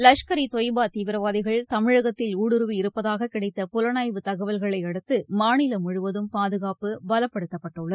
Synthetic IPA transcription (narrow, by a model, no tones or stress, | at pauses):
lɐʂkɐɾit̪ɔjbaːt̪iːʋɪɾɐʋaːðɪɣɐɭt̪ɐmɪɻɐɣɐt̪ːɪluːɽɯɾɯʋiɪɾɯpːɐðaːɣɐkɪɽɐɪt̪ːɐpʊlɐnaːjʋɯt̪ɐɣɐʋɐlɣɐɭɐɪɐɽɯt̪ːɯmaːnɪlɐmʊɻʊʋɐðɯmpaːðɯɣaːpɯbɐlɐpːɐɽɯt̪ːɐpːɐʈːɯɭːɐð